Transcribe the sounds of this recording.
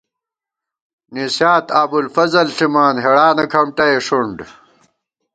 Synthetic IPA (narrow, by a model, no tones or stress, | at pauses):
nisjaːt̪aːbulfɐzɐlɬimaːnɦeɽaːnɐkʰɐmʈɐeʂuɳɖ